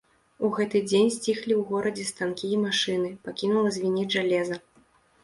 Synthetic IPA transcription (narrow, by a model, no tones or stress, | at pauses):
uɣɛt̪ɨd͡zʲenʲsʲt͡sʲixlʲiwɣɔɾɐd͡zʲɛst̪ankʲijɛmaʂɨnɨpakʲinulˠɐzʲvʲinʲɛʐalʲɛzɐ